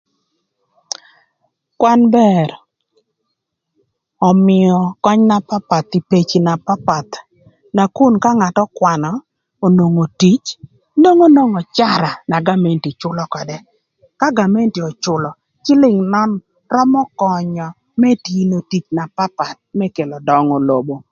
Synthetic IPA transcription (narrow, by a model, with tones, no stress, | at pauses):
kwa˦nbɛ˦ɾ | ɔ˨mɪ˨ɔ˨kɔ˦ɲna˦pa˦pa˨t̪i˨pe˨t͡ʃi˨na˨pa˦pa˨t̪ | na˨ku˦nka˦ŋa˨tɔ˦kwa˨nɔ˨ | o˨no˨ŋo˨ti˦t͡ʃ | no˦ŋo˦no˦ŋɔ˨t͡ʃa˦˨ɾa˨na˨ɡa˦mɛ˨nti˨t͡ʃʊ˦lɔ˦kɔ˨dɛ˦ | ka˦ɡa˨mɛ˦nti˨ɔ˨t͡ʃʊ˨lɔ˨ | t͡ʃɪ˦lɪ˨ŋnɔ˦n | rɔ˦mɔ˦kɔ˨ɲɔ˨ | mɛ˦ti˦no˨ti˨t͡ʃna˨pa˦pa˨t̪̚mɛ˦ke˨lɔ˨dɔ˦ŋɔ˨lo˨bo˨